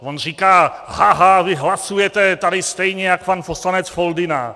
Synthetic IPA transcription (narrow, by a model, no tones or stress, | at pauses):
vonriːkaːhaɦavɪɦlasujɛt̪ɛt̪adɪst̪ɛjɲɛjakpanposlanɛt͡sfold̪ɪna̰